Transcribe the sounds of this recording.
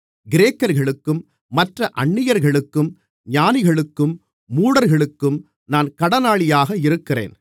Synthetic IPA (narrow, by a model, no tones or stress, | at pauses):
ɡɪɾeːkːɐɾɣɐɭɯkːɯmː | ɐʈrɐʔɐɳːɪjɐɾɣɐɭɯkːɯm | ɲaːnɪɣɐɭɯkːɯmː | uːɽɐɾɣɐɭɯkːɯm | naːnkɐɽɐnaːɭɪjaːɣɐɪɾɯkːɪrḛːn